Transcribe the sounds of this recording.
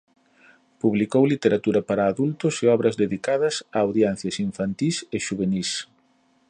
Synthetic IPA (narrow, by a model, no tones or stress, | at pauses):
puβlikowlit̪eɾat̪uɾɐpaɾaːðult̪ʊsɪɔβɾɐzðeðikaðɐsaːwðjɛn̟θjɐsiɱfant̪iseʃuβenis